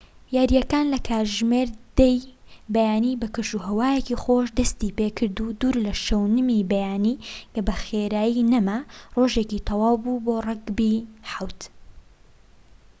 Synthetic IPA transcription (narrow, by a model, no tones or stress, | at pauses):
jaːɾjɐkaːnlɐkʰaːɾʒmeɾd̪ejbɐjaːnibɐkɨʃuɦɐwaːjecixoːʃd̪ɐst̪ipekʰɨɾd̪ud̪uːɾlɐʃɐwnɨmibɐjaːniːkɐbɐxeɾaːjinɐmaroʒeːcit̪ʰɑwɑːwbuborˤɑɡbiħawt̪